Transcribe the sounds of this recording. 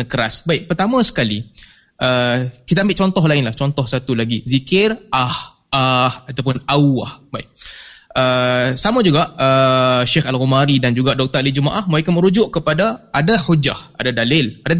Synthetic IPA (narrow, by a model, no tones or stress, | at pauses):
kəɾasbaɪʔ̚pərt̪amãsə̥kali | ʔəkit̪aːmbɪʔt͡ʃɔnt̪ɔɦlaɪnlaht͡ʃɔnt̪ɔhsat̪ulaɡizikɪrʔah | ahat̪awp̬ʊnawahbaɪʔ̚ʔəsamãd͡ʒuɡaʔəʃɪxalɣumaɾidand͡ʒuɡaʔdɔk̚t̪əalid͡ʒumaʔahmaekanməɾud͡ʒʊʔkəpadaadahud͡ʒa̰hʔa̰dadalɪlada